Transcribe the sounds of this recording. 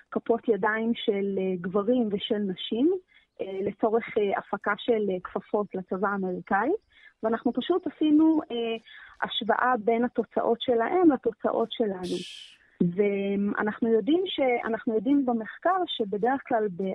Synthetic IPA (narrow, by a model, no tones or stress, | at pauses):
kapo̞tjadaimʃeleɡvaʁimveʃe̞lnaʃim | ʔele̞t͡so̞ʁeχea̰fakaʃe̞lkfafo̞tlat͡savaːme̞ʁikait | veanaχnupaʃutasinueʔa̰ʃva̰ʔabe̞nhato̞t͡sa̰ʔo̞tʃe̞laʔemlato̞t͡sa̰ʔo̞tʃe̞lanu | vea̰naχnujo̞dimʃea̰naχnujo̞dimbemeχkaʁʃe̞be̞de̞ʁeχklalbe